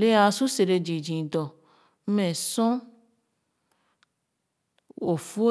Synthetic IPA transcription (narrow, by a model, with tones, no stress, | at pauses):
le˦a˨sũ˦se˨ɾe˧d͡ʒĩ˨d͡ʒĩ˨d̪ɔ˨˦ | mɛ̃˨sɔ̃˦ | o˨fu˦o˦